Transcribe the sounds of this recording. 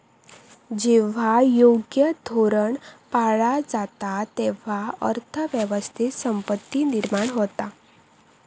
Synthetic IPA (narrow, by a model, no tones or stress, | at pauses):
d͡ʒɛʋ̤ajoɡjəd̪ʱoɾəɳpaɭad͡zat̪at̪ɛʋaə̰ɾt̪ʰəʋjəʋəst̪ʰit̪səmpət̪ːiniɾmaːɽɦot̪a